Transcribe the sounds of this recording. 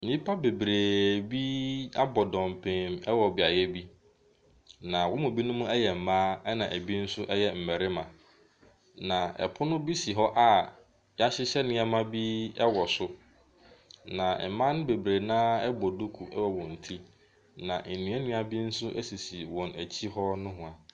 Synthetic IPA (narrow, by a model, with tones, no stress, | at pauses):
mĩ˦pʰa˦be˨bɾeː˨bi˦a˦bɔ˨dɔ̃˨m˨pʰẽ˨mɛ˦wɔ˨bɪ˨a˨jɛ˦bi˦ | nã˨wɔ̃˦mʊ̃˨bi˦nʊ̃˦mʊ̃˦ɛ˦jɛ˨m̩˨mã˦ɛ˦nã˨ʔæ˨bi˦n̩˦sʊ˦ʔɛ˦jɛ˨m̩˨mæ˨ɾɪ˦mã˨ | nã˨ɛ̰˨pʰʊ˦nʊ̃˦bi˦si˨ɦɔ˦ʔa˦ | ja˦ɕɪ˦ɕɛ˦nɪ̃˦ɛ˦mã˦bi˦ɛ˦wɔ˨sʊ˦ | nã˨m̩˨mã˦nʊ̃˦be˨bɾeː˨nãː˦ɛ˦bɔ˨du˦kʰu˨ʔɛ˦wɔ˨wɔ̃˨n̩˨tʰi˦ | nã˨n̩˨nũ˨æ˦nũ˦a˨bi˦n̩˦sʊ˦ʔɛ˦si˨si˨wɔ̃˨næ˨t͡ɕʰi˦hɔ˦nʊ̃˦ɦʊ̃˨a˨